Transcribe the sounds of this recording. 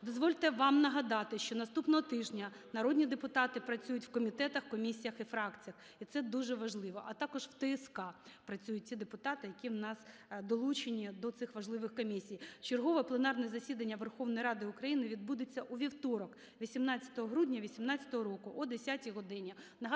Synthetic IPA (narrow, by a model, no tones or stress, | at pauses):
d̪ɔzʋɔlʲt̪ɛʋɑmnɐɦɐd̪ɑt̪ɪʃt͡ʃɔnɐst̪upnɔɦɔt̪ɪʒnʲɐ | nɐɾɔdʲnʲid̪epʊt̪ɑt̪ɪpɾɐt͡sʲujʊtʲwkɔmʲit̪ɛt̪ɐxkɔmʲisʲijɐxifɾɑkt͡sʲijɐx | it̪sɛd̪uʒɛʋɐʒlˠɪʋɔʔɐt̪ɑkɔʒwt̪ɛɛskɑpɾɐt͡sʲujʊt̚ʲtʲid̪epʊt̪ɑt̪ɪjɐkʲiwnɑsd̪ɔlˠut͡ʃenʲid̪ɔt̪sɪxʋɐʒlˠɪʋɪxkɔmʲisʲijt͡ʃerɦɔʋɛplˠenɑrnɛzɐsʲid̪ɐnʲːɐʋerxɔwnɔjiɾɑd̪ɪʊkɾɐjinɪʋʲid̪̚bud̪et͡sʲːɐʔuʋʲiwt̪ɔɾɔk | ʋʲisʲimnɑt͡sʲːɐ̥t̪ɔɦɔɦɾudʲnʲɐʋʲisʲimnɑt͡sʲɐ̥t̪ɔɦɔɾɔkʊʔɔd̪esʲatʲiɦɔd̪ɪnʲɐnɐɦ